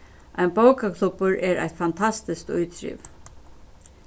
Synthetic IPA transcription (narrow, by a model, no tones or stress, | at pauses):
ʔajnpowkakʰlˠʊpʊɹɛːɾa̰jt̪fant̪ʰast̪ɪskt̪ʊ̰jt̪ɾḭːv